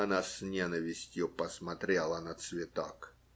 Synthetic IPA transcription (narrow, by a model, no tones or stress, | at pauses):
ɐnasʲnʲenəvʲɪsʲtʲjʊpəsmɐt̪ɾʲelˠənət̪svʲɪt̪ak